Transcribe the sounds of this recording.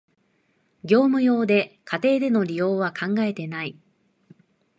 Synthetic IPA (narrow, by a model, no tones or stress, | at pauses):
ɡʲo̞ːmɯ̟jo̞ːd̪e̞kat̪e̞ːd̪e̞no̞ɾʲijo̞ːβ̞akãŋɡae̞t̪e̞nai